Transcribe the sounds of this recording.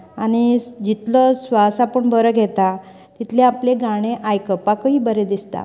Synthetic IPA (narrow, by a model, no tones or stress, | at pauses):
añid͡ʑit̪lɔsʋasapəɳbəɾəɡʱɛt̪a | t̪it̪ʰleapleɡaɽ̃eʔajkəpakəiːbəɾed̪ist̪a̰